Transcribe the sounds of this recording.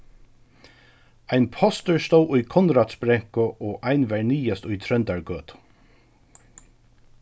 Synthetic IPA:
ajnpʰɔst̪əɹst̪owʔʊjkʰɔnɾaːt̪sbɾɛŋkʊʔoːʔajnʋæɹniːast̪ʊjt̪ʰɾœnt̪aɹɡøːt̪

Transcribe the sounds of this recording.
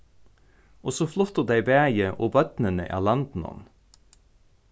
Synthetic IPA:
ʔosoːflɔt̪əʁd̪æɪbæːjəʔoːbœt̪nənə̰ʔæ̰ːʁlɑnd̪n̩ɔ̰n

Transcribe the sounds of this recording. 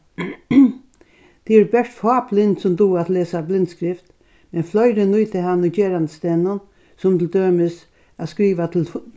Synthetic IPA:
d̪̥ʰɪɛɾbɛʂt̪fɑːblɪnd̪sɔmd̪uːat̪leːsablɪnt̪skɾɪft̪ | mɛnflɔʏɾənuːt̪ʰɪhanʊt͡ɕeːɾand̪əst̪ɛːnʊn | sɔmt̪ʰɪld̪øːmɪs | askɾiːʋat̪ʰ

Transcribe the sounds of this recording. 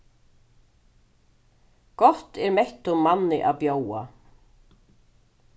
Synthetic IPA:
kɔht̪ɛɾmeht̪ʊmːanːɪʔaðpjoːwa̰

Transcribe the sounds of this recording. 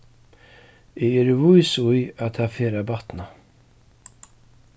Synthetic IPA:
ɪɛɾɪvujsujaðt̪aðfɛːɾabaht̪na

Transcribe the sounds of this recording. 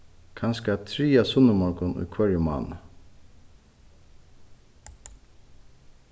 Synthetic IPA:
kʰanskat̪ʰɾiːasʊnəmɔɹkʊnṵjkʰvɛɾjəma̰ːn

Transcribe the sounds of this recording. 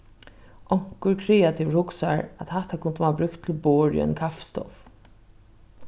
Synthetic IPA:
ʔɔŋ̥kəɹkʰɾɛːat̪ʰiʋɹhʊksaɹat̪hat̪akʰʊnt̪əmaːabɾʏkt̪ʰːɪlboːɹj̰ɛ̰nkʰaftst̪ɔ̰f

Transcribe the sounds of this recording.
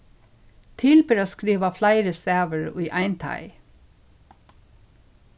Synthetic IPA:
t̪ʰɪlbɪɾoːskɾiːʋɑflæɪɾəst̪æːʋəɹiːʔæɪnt̪ʰɑ̰ɪ

